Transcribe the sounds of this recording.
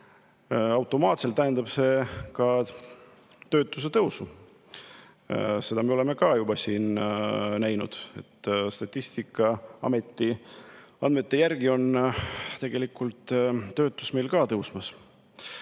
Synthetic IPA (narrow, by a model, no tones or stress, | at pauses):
ɑwt̪ːˑo̞mɑːt̪selt̪ːæɦend̪ɑb̥se̞kɑ | t̪ø̞ːt̪ːˑus̬e̞t̪ɤwsu | se̞d̪̥ɑme̞o̞le̞me̞kɑjubɑsiːnnæjnṵd̪̥e̞t̪ːst̪ɑt̪ʲːˑist̪ikːˑɑɑ̰me̞t̪ːˑi | ɑnd̪me̞t̪ːe̞jærɡ̥io̞nt̪e̞ɡ̥e̞likːˑult̪ːø̞ːt̪ːˑusme̞jlkɑːt̪ɤwsmɑs